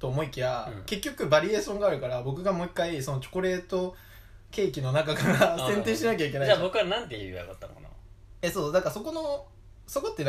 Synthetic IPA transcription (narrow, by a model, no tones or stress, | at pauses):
t̪o̞ːmo̞ikʲiβake̞kʲːo̞kɯ̟baɾʲie̞ːɕõ̞ŋɡaːɾɯ̟kaɾabo̞k̬ɯ̟ɡamo̞ikːaiso̞no̞t͡ɕo̥koɾe̞ːt̪o̞ | ke̞ːkʲino̞nakakaɾasẽ̞nt̪ẽːɕinak̬ʲaik̬ʲe̞naiabokɯ̟βanãnt̪eia̰ka̰t̪ːa̰kna̰esoːd̪akaso̞ko̞no | so̞ko̞t̪ːen